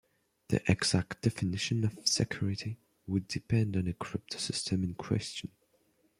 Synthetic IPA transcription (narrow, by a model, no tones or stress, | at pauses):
ðḭʔɛɡz̥ak̚t̚d̥ɛfɨnɪʃə̃nəv̥sɛkʰj̥ʊɹɪti | wədɨpʰɛ̃ndɨ̃nɨkʰɹ̥ɪp̚tsɪstʰə̃mɨ̃nkʰw̥ɛ̰st͡ʃə̃n